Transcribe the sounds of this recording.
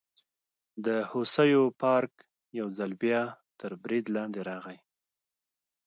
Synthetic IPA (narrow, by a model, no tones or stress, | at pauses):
d̪əhosəjopɑɾk | jawzalbjɑt̪əɾbɾid̪lɑnd̪eɾɑɣaj